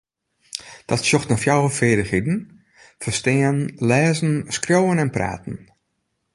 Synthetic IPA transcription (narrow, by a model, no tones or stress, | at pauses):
d̥ɔtsjoxtəfjawəfɪːdəxidn̩ | fərstɪːənlɛːzn̩skrjowənɛnpra̰ːtn̩